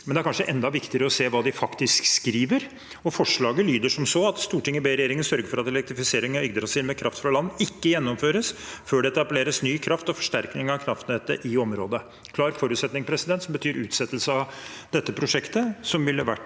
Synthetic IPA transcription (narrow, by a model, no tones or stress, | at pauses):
mɛnd̪ɛæɾkɑnʂəʔɛnd̪ɑʋɪkt̪ɪəɾəɔseːʋɑːd̪ɪfɑkt̪ɪskskɾiːʋəɾ | ɔfɔʂɭɑːɡəlyːd̪əʂɔmsɔɑt̪st̪uːʈʰɪŋːəbeːɾɛjeːɾɪŋənsœɾɡəɾfɔɾɑt̪ɛlɛkt̪ɾɪfɪseːɾɪŋɑʏɡd̪əɾɑsɪlmɛkʰɾɑft̪fɾɑlɑnːəɪkːəjɛnːɔmføːɾəsføːɖɛɛt̪ɑbleːɾəsnyːkʰɾɑft̪ɔfɔ̥ʂʈæɾknɪŋɑʋkʰɾɑft̪nɛt̪ːə̰ʔɪɔmɾoːd̪ə | kʰlɑːɾfɔɾʉt̪sɛt̪nɪŋpʰɾɛsɪd̪ɛnt̪sɔmbət̪ʰyːɾʉ̰ːt̪sɛt̪ːlsəɑd̪ɛt̪ːəpʰɾʊʂɛkt̪əsɔmʋɪlːəʋæ̰ʈː